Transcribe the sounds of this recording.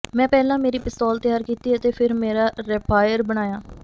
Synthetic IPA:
mɛ̃ːpɛːlãːmeːɾiːpɪst̪ɔːlt̪əjaːɾkiːt̪iːɛət̪eːpʰɪɾmeːɾaːɾɛːpaːjəɾbəɽ̃aːjaː

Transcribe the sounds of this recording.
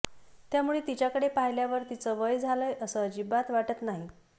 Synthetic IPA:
t̪jamuɭet̪it͡ɕjakəɽepaɦjljaʋəɾt̪it͡səʋəjd͡zʱaləjəsəd͡ʑibat̪ʋaʈət̪naɦi

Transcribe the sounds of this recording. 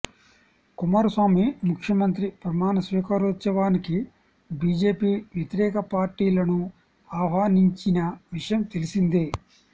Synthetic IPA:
kumaːɾusʋaːmimukʰjɐmɐnt̪ɾipɾɐmaːnɐsʋiːkɐɾot̪sɐʋaːniki | biːd͡ʒe̞ːpiːʋjɐt̪iɾɛːkɐpaːɾʈːiːlɐnu | aːʋaːniɲt͡ʃinɐʋiʂɐjɐmt̪elisind̪i

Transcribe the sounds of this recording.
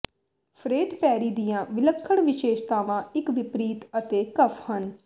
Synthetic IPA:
pʰɾeːʈpɛːɾiːd̪ijãːʋɪləkʰːəɳʋɪʃeːʃt̪aːʋãːɪkʋɪpɾiːt̪ət̪eːkəpʰhən

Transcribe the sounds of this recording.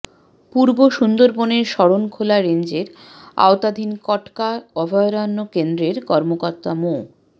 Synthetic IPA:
puɾboʃund̪oɾboneɾʃɔɽonkʰolaɾend͡ʑeɾ | a̰ot̪ad̪ʱinkɔʈkaɔbʱaeɾanːokend̪ɾeɾkɔɾmokɔɾt̪ːamo

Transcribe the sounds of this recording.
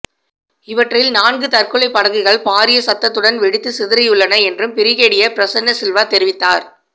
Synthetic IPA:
ɪʋɐʈrɪlnaːnɡɯt̪ɐrkɯɭɐɪpːɐɽɐɣɯɣɐɭpaːɾɪjɐsɐt̪ːɐt̪ːɯɽɐnʋɛɽɪt̪ːɯsɪðɪɾɐjʊɭːɐnɐɛndrɯmpɪɾɪɣeːɽɪjɐpɪɾɐsɐnːɐsɪlʋaːt̪ɛɾɪʋɪt̪ːaːɾ

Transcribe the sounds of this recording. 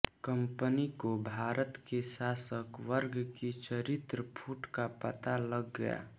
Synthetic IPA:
kəmpənikobʱaːɾət̪keʃasəkʋəɾɡkit͡ʃəɾɪt̪ɾəpʰuʈkapət̪aləɡːəja̰

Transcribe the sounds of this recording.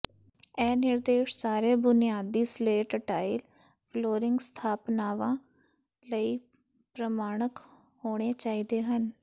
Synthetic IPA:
ɛːnɪɾd̪eːʃsaːɾeːbʊnijaːd̪iːsleːʈʈaːil | pʰloːɾɪŋɡst̪ʰaːpnaːʋãː | ləiː | pɾəmaːɳ̃ək | hoːɽ̃eːt͡ʃaːiːd̪eːɦən

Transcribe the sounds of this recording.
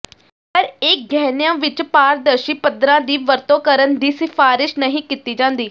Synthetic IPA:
pəɾɪk̚ɡɛːnjãːʋɪt͡ʃpaːɾd̪əɾʃiːpəd̪ɾãːd̪iːʋəɾt̪õːkəɾənd̪iːsɪfʰaːɾɪʃnəɦĩːkit̪iːd͡ʒãːnd̪iː

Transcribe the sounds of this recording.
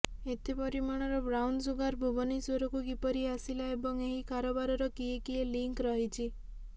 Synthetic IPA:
et̪ipɔɾimaɽ̃ɔɾɔbɾawnsuɡaɾbʱubɔnisoɾɔkuɡipɔɾiasilaebɔŋeɦikaɾɔbaɾɔɾɔkiekieliŋkɾɔɦit͡ʃʰi

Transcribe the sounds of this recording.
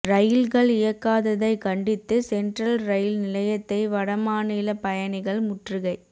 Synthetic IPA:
ɾɐjɪlɣɐɭɪjɐkːaːðɐðɐɪkɐɳɖɪt̪ːɯsɛnɖrɐlɾɐjɪlnɪlɐjɐt̪ːɐɪʋɐɽɐmaːniːlɐpɐjɐnɪɣɐɭmʊʈrɯɣɐɪ

